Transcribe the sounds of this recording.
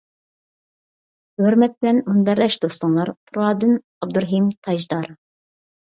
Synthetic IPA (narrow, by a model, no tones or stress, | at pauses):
hɵɾmɛt̪̚blɛnmund̪ɛɾɛʃd̪ost̪ɑnlˠɑɾt̪ʰuɾɑːd̪ɨn | ɑb̚d̪ɨɾɦimt̪ʰɑʒd̪ɑɾ